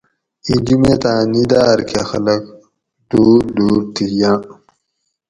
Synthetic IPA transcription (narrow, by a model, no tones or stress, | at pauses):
id͡ʑumet̪ãːnid̪aːɾkʰaxɐlɐk | d̪̥uːɾd̪uːɾt̪ʰijãː